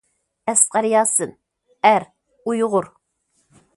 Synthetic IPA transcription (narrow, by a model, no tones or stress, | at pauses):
ɛsqɑɾjɑːsɨn | æɾ | ujʁʊɾ